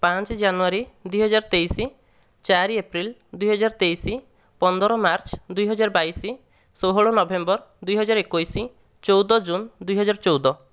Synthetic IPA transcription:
pãnt͡ʃd͡ʒanuaɾid̪ujɦɔd͡ʒaɾt̪ejsi | t͡ʃaɾiepɾild̪ujɦɔd͡ʒaɾt̪ejsi | pɔnd̪ɔɾɔmaɾt͡ʃd̪ujɦɔd͡ʒaɾɔbaisi | soɦɔɭonɔbembɔɾ | d̪ujɦɔd͡ʒaɾekojsi | t͡ʃowd̪ɔd͡ʒund̪ujɦɔd͡ʒaɾt͡ʃowd̪ɔ

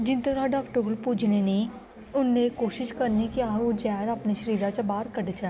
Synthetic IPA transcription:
d͡ʒɪnt̪ɐɾaɖaːkʈəɡəlpuːd͡ʒneni | ʊnːekoːʃɪʃkɐɾnikiaːud͡ʒɛːɾɐpneʃəɾiːɾat͡ʃɐbaːɾkɐɖt͡ʃa

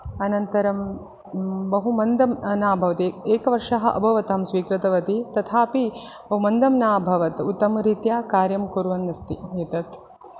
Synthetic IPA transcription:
ɐnɐnt̪ɐɾɐm | bɐɦumɐnd̪ɐmnaːbʱɐʋɐt̪eeːkɐʋɐɾʂɐɦɐ̆ʔɐ̰bʱɐʋɐt̪aːmsʋiːkɾɪt̪ɐʋɐt̪it̪ɐt̪ʰaːpibɐɦumɐnd̪ɐmnaːbʱɐʋɐt̪ut̪ːɐmɐɾiːt̪jaːkaːɾjɐmkuɾʋɐnːɐst̪ieːt̪ɐt̪

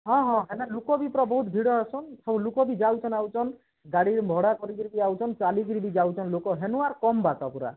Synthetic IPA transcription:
ɦɔ̃ɦɔ̃ɦenalukɔbipɾɔbɔɦut̪̚bʱiɽɔasɔnsɔbulukɔbid͡ʒawt͡ʃʰɔnawt͡ʃʰɔn | ɡaɽiɾmbʱɔɽakɔɾikiɾibiawt͡ʃʰɔnt͡ʃalik̬iɾibid͡ʒawt͡ʃʰɔnlokɔɦenuaɾkɔmbatɔpuɾa̰

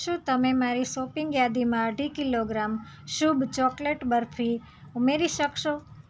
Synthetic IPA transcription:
ʃũt̪əmẽmaɾisopɪŋɡjad̪imãəɖʱikiloɡɾam | ʃubt͡ʃɔkleʈbəɾfʰi | umeɾiʃəkʃo

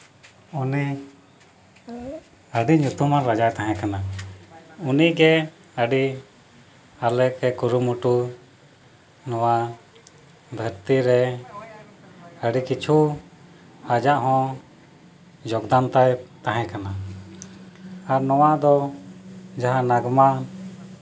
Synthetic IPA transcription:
uni | əɖiɲut̪umaɾɾad͡ʒajt̪aɦɛ̃kana | uniʔɡɛ | əɖi | alɛkɛkuɾumuʈu | nɔwa | b̪ʱəɾt̪iɾɛ | əɖikit͡ʃʰu | had͡ʒaʔɦɔ̃ | d͡ʒɔɡd̪ant̪ajt̪aɦɛ̃kana | aɾnɔwaʔd̪ɔ | d͡ʒaɦanaɡma

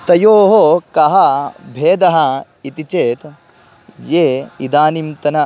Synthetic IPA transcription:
t̪ɐjoːɦokɐɦɐbʱeːd̪ɐɦɐ | it̪it͡ʃeːt̪ | jeːid̪aːnimt̪ɐnɐ

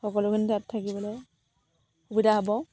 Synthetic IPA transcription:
xɔkɔlʊkʰɯnitatʰːakibɔlɔj | xubidaɦabɔ

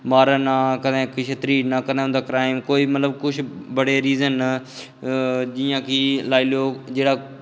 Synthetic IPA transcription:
maːɾəːnaːkəd̪ẽːkɪʃʰət̪ɾiːnakəd̪ẽːɦʊnd̪aːkɾaːɪmkoːiːmət̪ləbkʊt͡ʃʰbəɽeːɾiːzən | d͡ʒɪjãːkilaːiloːd͡ʒeːɽaː

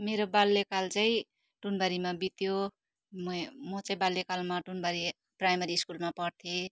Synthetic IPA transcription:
meɾobalːekalt͡saĩ | ʈunbaɾimabit̪jo | mʌmʌt͡saĩbalːekalmaʈunbaɾi | prajmʌɾiːskulmapʌrt̪ʰe

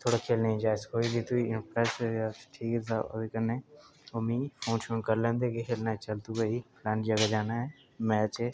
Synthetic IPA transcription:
t̪ʰoːɽakʰeːlnəĩd͡ʒaːɪskoːibʱit̪uiɪmpɾɛːsaʈʰiːkɛt̪ʰa̰ːo̰d̪kənːeːʊmĩːpʰoːnʃoːnkəɾlɛ̃ːnd̪eːkekʰeːlnat͡ʃəlt̪uɡəiplãːnd͡ʒəɡad͡ʒaːnaɦɛː | mɛ̃ːt͡ʃe

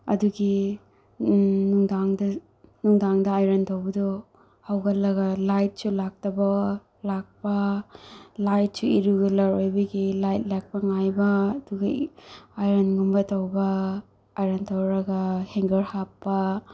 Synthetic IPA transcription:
ɐ̰duɡi | nuŋdaŋdɐ | nuŋdaŋdɐajɾɐntʰowbɐdɔ | hawɡɐlɐɡɐlajt̚sulak̚tɐbɐ | lak̚pɐ | lajt̚suiɾuɡɐlɐɾojbɐɡilajt̚lak̚pɐŋajbɐːduɡɐ̰ajɾɐnŋumbɐtɐwbɐː | jɾɐntʰowɾɐɡɐheŋɡɐɾhapːɐ

